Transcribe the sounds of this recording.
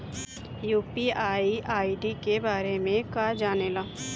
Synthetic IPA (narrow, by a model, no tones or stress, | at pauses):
juːpiaːiʔaːiɖikebaːɾemẽkaːd͡ʒaːnelaː